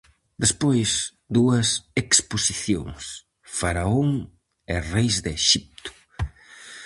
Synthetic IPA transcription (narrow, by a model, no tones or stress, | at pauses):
d̪espojs | d̪uɐseksposiθjo̰ŋs | faɾaoŋ | erejzðeʃip̚t̪ʊ̥